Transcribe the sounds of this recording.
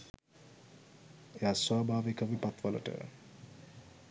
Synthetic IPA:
ejaːswaːbʱaːʋekəʋipat̪ʋalə̰ʈə̰

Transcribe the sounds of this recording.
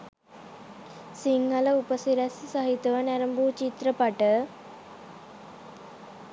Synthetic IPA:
siŋɡələupəsiɾɛssɐɦit̪ɐʋənɛɾəmbuːt͡ʃit̪ɾəpɐʈə

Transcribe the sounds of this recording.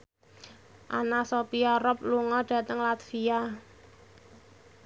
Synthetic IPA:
ʔanasopiaɾɔp̚luŋɔɖ̥ä̤t̪əŋlat̪fia

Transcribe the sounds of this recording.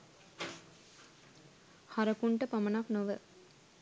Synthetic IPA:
hɐɾɐkuɳʈɐpɐmɐnaːknoʋə

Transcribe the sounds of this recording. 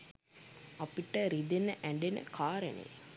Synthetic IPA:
apiʈəɾid̪enəʔæɳɖenə̰kʰaːɾənḛj

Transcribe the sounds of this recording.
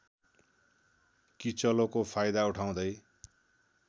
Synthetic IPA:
kit͡sʌlokopʰajd̪auʈʰaw̃d̪ʌj

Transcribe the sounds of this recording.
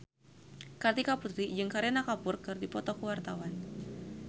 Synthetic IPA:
kard̪ikaput̪ɾid͡ʒɨŋkaɾɛnakapʊrkɨrdipɔt̪ɔkuwart̪awan

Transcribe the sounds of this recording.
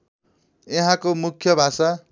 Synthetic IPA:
eɦãkomukʰjʌbʱasa

